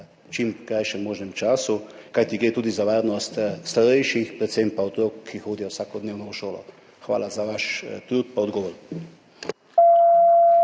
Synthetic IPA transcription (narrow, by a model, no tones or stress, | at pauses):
t͡ʃimkɾajʃɛmːoːʒnɛmt͡ʃaːsukajt̪iɡɾeːt̪uːd̪izaʋaːɾnɔst̪st̪aɾɛjʃixpɾɛt̪sempaɔt̪ɾoːkʰːixoːd̪ijɔwsaːkɔd̪neːwnɔuʃoːlɔ̰ | xʋa̰ːlazaʋaʃt̪ɾuːt̪̚paɔd̪ɡɔːʋɔɾ